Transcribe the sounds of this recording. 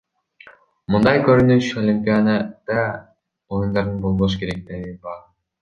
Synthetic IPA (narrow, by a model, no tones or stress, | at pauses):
mɯnd̪ɑjkøɾynyʃolʲimʲpʲijad̪ad̪̥ɑ | ojund̪ɑɾd̪ɯnbo̞lˠboʃ̬keɾek̚t̪eɡibɑɾ